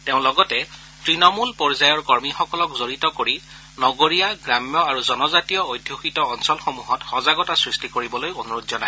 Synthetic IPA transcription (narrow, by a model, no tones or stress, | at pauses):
teʊ̃lɔɡɔtɛ | tɹinɔmulpɔɹzajɔɹkɔɹmixɔkɔlɔkzoɹitɔkoɹi | nɔɡoɹijaɡɹamjɔaɹuzɔnɔzatijɔojdʱjoxitɔːnsɔlxomuɦɔtxɔzaɡɔtasɹistikoɹibɔlojonuɹutzɔnaj